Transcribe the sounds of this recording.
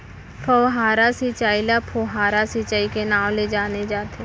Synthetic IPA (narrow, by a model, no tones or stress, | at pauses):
pʰəwɦaːɾasit͡ʃaːilapʰoːɦaːɾasit͡ʃaːikenaːwled͡ʒaːned͡ʒaːt̪ʰe